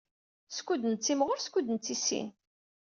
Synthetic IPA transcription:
skʷːud̪nt͡sːimʁʊɾskʷːud̪nt͡sːisḭn

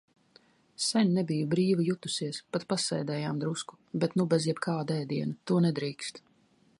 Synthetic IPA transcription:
sɛnʲnɛbijubɾiːvijut̪u̥siɛspat̪pasɛjd̪ɛːjaːmd̪ɾusku̥ | bɛt̪nubɛzjɛbkʰaːd̪ɛjd̪iɛnat̪uɔnɛd̪ɾiːkst̪

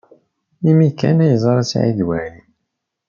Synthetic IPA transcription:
imikːæ̰næjzˤɑɾˤæsʕḭd̪wæɾi

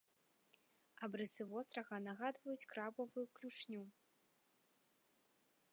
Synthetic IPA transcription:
ɐbɾɛsɨvɔst̪ɾɐɣɐnaɣad̪vɐjut͡sʲkɾabɐvujuklʲut͡ʂnʲu

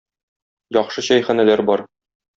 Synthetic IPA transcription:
jɒχʃɤɕɒjχænælæɾbɒɾ

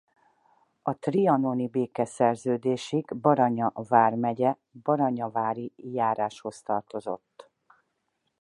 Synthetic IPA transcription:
ɒt̪riɒnonibeːkɛsɛrzøːd̪eːʃiɡbɒɾɒɲɒvaːrmɛɟɛ | bɒɾɒɲɒvaːɾijaːɾaːʃho̞st̪ɒrt̪o̞zo̞̰t̪ː

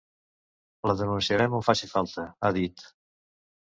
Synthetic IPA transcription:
ləðənunsiəɾɛmufasifalˠt̪əaðit̪

